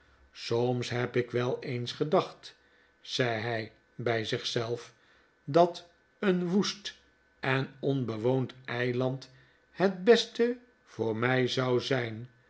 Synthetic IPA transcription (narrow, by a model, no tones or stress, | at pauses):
somsɦɛpɪkʋɛlˠejnsχədɑχt | z̥ɛjɦɛj | bɛjzɪχsɛlˠf | dɑt | ənʋust | ɛnɔnbəʋowntɛjlɑnt | hɛt̚bɛstə | v̥ʊːɹmɛjzɑwzɛjn